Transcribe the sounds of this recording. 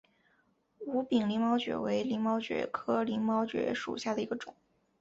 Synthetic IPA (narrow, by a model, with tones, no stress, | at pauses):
u˧˥pi˨˩ŋli˧˥ŋmɑ˥ʊt͡ɕɥɛ̰˨˩we˧˥ɪli˧˥ŋmɑ˥ʊt͡ɕɥɛ̰˧˥kʰɤ˥li˧˥ŋmɑ˥ʊt͡ɕɥɛ̰˧˥ʂṵ˨˩ɕja˥˩d̪ə˩i˧˥ɡə˧ʈ͡ʂʊ˨˩˦ŋ